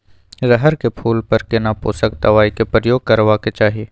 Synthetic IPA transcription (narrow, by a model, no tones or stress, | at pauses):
zɐɦəɾkepʰuːlpɐɾkenapo̰ːsəkd̪ɐʋaːikepɾəjoːɡ̚kɐɾʋaket͡ʃaːɦieː